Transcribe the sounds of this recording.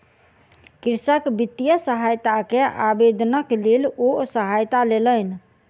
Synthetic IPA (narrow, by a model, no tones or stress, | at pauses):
kiɾsəkbit̪ːijəsəɦajt̪akeʔabed̪nəklelosəɦajt̪alelən